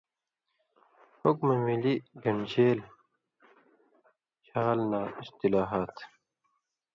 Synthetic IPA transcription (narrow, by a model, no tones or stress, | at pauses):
hokmɐnwiliɡɐnd͡ʑeːl | t͡ɕʰaːlnaːist̪ilaːɦat̪